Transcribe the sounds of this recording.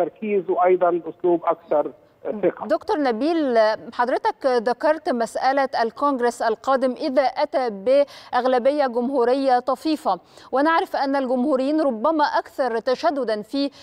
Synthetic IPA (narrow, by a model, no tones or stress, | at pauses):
t̪ɑɾˤkiːzweʔɑjd̪ˤɑnʔʊsluːbʔɑkθɑɾˤ | θɪqɑd̪okt̪oɾˤnæbiːlħɑd̪ˤɾɪt̪ækðækɑɾˤt̪mæsʔælæʔælkonɡɾesʔælqɑːd̪ɪmʔɪðæːʔæt̪æːbɪʔaɣlæbɪjːæɡʊmhuːɾɪjːat̪ˤɑfiːfɑ | wʔænaʕɾˤɪfʔænːælɡʊmhuːɾɪjːiːnɾˤobːæmæʔækθɑɾˤt̪æʃæd̪ːʊd̪ænfiː